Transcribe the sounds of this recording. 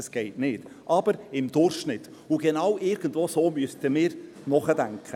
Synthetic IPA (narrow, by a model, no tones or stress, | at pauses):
sɡ̥ɛɪtnɪːtʔɑb̥əɾɪmd̥̪ʊrχʃnɪtː | ʊɡ̥enɑwʔɪɾɡ̥ən̩dʋoːsoːmyəstəmɪːɾ | nɔχədæŋkχə